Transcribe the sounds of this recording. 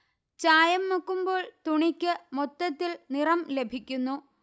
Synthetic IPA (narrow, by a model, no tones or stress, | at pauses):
t͡ɕaːjɐmːukːumbo̞ːɭt̪uɳikʲːɨmot̪ːɐt̪ːilnirɐmle̞bʱikʲːunːu